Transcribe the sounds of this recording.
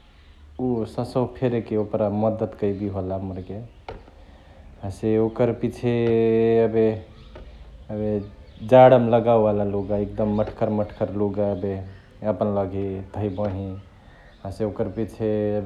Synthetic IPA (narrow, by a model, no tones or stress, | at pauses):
usəsəpʰeɾekeopɾaməd̪ət̪kəjbiɦolaməɾke | ɦãseokəɾpit͡ʃʰeəbe | əbed͡ʒaɽəmləɡawbalaloɡaek̚d̪əmːəʈʰkəɾməʈʰkəɾluɡaəbe | əpənləɡet̪əibə̃ɦi | ɦãseokəɾpit͡ʃʰeəbe